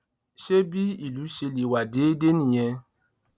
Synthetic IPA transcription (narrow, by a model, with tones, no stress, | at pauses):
ʃe˦bi˦i˨lu˨˦ʃe˨˧li˨wa˨de˦de˦ni˨je˧